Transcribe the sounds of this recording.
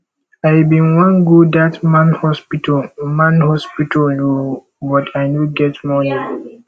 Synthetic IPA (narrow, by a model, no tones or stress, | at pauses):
aɪbĩnwãnɡudatmãnhɔspitʰɔmãnhɔspitʰɔlno | bɔtʰaɪnuɡɛtmɔnĩ